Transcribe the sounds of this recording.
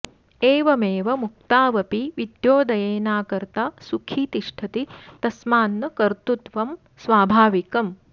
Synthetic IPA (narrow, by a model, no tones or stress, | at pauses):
eːʋɐmeːʋɐmuk̚t̪aːʋɐpiʋid̪joːd̪ɐjeːnaːkɐɾt̪asukʰiːt̪iʂʈʰɐt̪it̪ɐsmaːnːɐkɐɾt̪ut̪ʋɐm | sʋaːbʱaːʋikɐm